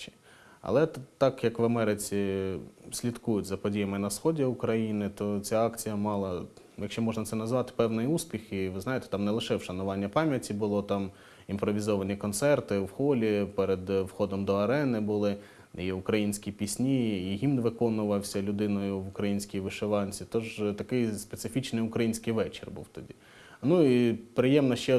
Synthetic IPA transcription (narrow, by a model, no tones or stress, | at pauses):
ɐ̰lˠɛt̪ɑkjɐkʋɐmɛɾɪt͡sʲi | sʲlʲit̪kujʊtʲzɐpɔdʲijɐmɪnɐsxɔdʲiʊkɾɐjinɪt̪ɔt͡sʲaɑkt͡sʲijɐmɑlˠɐ | jɐkʃt͡ʃɔmɔʒnɐt̪sɛnɐzʋɑt̪ɪ̥pɛwnɪjuspʲixiʋɪznɑjet̪ɛ̥t̪ɑmnɛlˠɪʃɛwʃɐnʊʋɑnʲːɐpɑmʲjɐtʲibʊlˠɔt̪ɑm | impɾɔʋʲizɔʋɐnʲikɔnt̪sɛrt̪ɪʋxɔlʲipɛɾed̪ʋxɔd̪ɔmd̪ɔɐɾɛnɪbʊlˠɪ | iʊkɾɐjinʲsʲkʲipʲisʲnʲiiɦʲinʋɪkɔnʊʋɐwsʲɐlʲʊd̪ɪnɔjʊʋʊkɾɐjinʲsʲkʲijʋɪʃeʋɑnʲt͡sʲit̪ɔʒt̪ɐkɪjspet̪sɪfʲit͡ʃnɪjʊkɾɐjinʲsʲkɪjʋɛt͡ʃɪrbṵwt̪ɔdʲḭ | nuipɾɪjɛmnɐʃt͡ʃɛ